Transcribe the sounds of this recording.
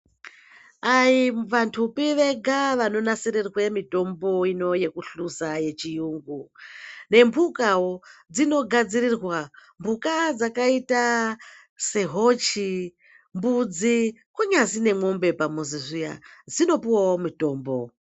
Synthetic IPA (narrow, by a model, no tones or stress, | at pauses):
aiʋantʰupiʋe̞ɡʱaʋano̞nasiɾerwemito̞mbo̞ino̞jekuɬusaje̞t͡ʃijuːŋɡune̞mbʱukawod͡zino̞ɡʱad͡zirirwambʱukad͡zakaita | se̞ɦo̞t͡ʃi | mbud͡zikuɲazine̞mombe̞pamuziʐija̰d͡zino̞piwaomito̞ːmbo̞